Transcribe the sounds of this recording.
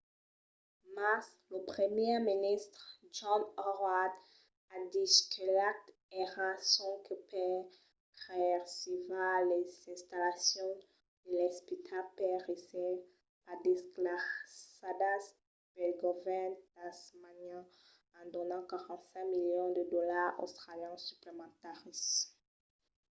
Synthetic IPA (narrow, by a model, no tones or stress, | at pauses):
mas | ləpχəmjɛminist̪χʒɔ̃nɔʁwad̪ | ad̪ikʰəlak̚t̪ | ɛʁasɔ̃kypɛ | ʁɛʁsivalezɛ̃st̪alasjɔ̃ | d̪̥əlɛspit̪ʰapɛʁesɛ | pad̪ɛsklaad̪as | b̥ɛlɡɔvɛnd̪asmanã | ãd̪ɔnɑ̃kaʁɑ̃t̪sɛ̃miljɔ̃d̪əd̪ɔlaʁo̰st̪χaljɛ̃syplemɑ̃t̪aʁis